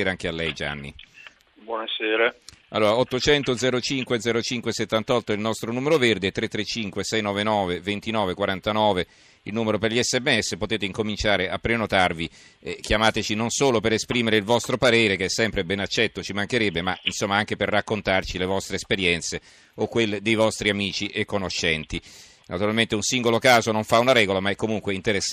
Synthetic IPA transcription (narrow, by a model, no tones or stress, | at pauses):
eːɾaŋk̟ealːɛjd͡ʒa̰nːḭ | bwɔneseːɾaa̰lːoːɾaɔt̪ːot͡ʃɛnt̪od̪zɛːɾot͡ʃiŋkwed̪zɛːɾot͡ʃiŋkweset̪ːant̪ɔt̪ːoɛilnɔst̪ɾonuːmeɾoverd̪et̪ːɾet̪ːɾet͡ʃːiŋkwesɛjnɔːvenɔːvevent̪inɔːvekwaɾant̪anɔːve | ilnuːmeɾoperʎiɛsːɛmːeɛsːepot̪eːt̪eiŋkomint͡ʃaːɾeapːɾenot̪arvi | kjamaːt̪et͡ʃinonsoːlopeɾespɾiːmeɾeilvɔst̪ɾopaɾeːɾek̟ɛsːɛmpɾebɛnat͡ʃːɛt̪ːot͡ʃimaŋk̟eɾɛbːemainsomːaaŋk̟eperːakːont̪art͡ʃilevɔst̪ɾeːspeɾjɛnt̪se | okːwelːed̪ejvɔst̪ɾiamiːt͡ʃiʔekːonoʃːɛnt̪i | nʔat̪uɾalment̪eunsiŋɡolokaːzonoɱfaunaɾɛːɡolamaɛkːomuŋkweint̪eɾes